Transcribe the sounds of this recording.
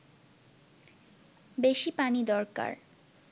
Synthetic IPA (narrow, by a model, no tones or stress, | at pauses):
beʃipanid̪ɔɾka̰ɾ